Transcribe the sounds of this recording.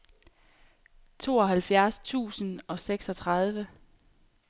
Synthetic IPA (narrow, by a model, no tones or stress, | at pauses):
t͡sʰo̝ːɒ̽ɦælfjæɐst͡sʰṵːsən̩ɒ̽seɡ̥sɒ̽t͡sʰʁɑ̈ð̞ˠʋə